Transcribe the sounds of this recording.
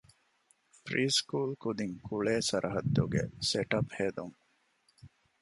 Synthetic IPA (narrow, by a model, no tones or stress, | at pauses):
pɾiːskuːlkud̪iŋkʰuɭeːsɐɾʔɐɦɐd̪ːuɡḛseʈɐpheːd̪uŋ